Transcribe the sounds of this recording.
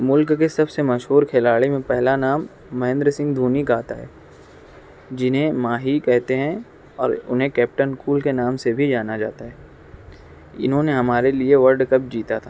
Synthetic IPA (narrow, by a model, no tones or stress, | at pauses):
mʊlkkesɐbsemɐʃɦuːɾkʰelaːɭimẽpɛɦlanaːmː | ɐɦɪ̃nd̪ɾəsɪ̃ŋɡd̪ʱuːnikaːt̪aɦɛ̰ː | d͡ʒɪnɦẽmaːɦikɛɦt̪eɦɛ̃ | ɔːɾʊnɦẽkɛːp̚ʈənskuːlkenaːmsebʱid͡ʒaːnad͡ʒa̰ːt̪aɦɛː | ɪ̰nɦõneɦɐmaːɾelieʋɐɾɖkɐp̚d͡ʒiːt̪at̪ʰaː